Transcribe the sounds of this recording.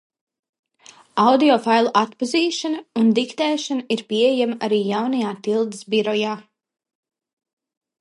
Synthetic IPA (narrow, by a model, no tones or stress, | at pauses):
awd̪iɔfajlˠuʔat̪paziːʃanɐund̪ikt̪ɛːʃanɐiɾpiejamaʔaɾiːjawnajaːt̪ilˠd̪isbiɾɔjaː